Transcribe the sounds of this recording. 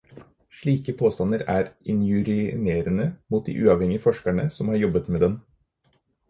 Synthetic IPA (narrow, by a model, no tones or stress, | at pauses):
ʂɭiːkəpʰoːst̪ɑnəɾæːɾɪnjʉɾɪneːɾənəmuːt̪̚d̪ḭːʔʉːɑʋhɛŋɪəfɔʂkæɳəsɔmhɑːɾjɔbət̪meːd̪ɛn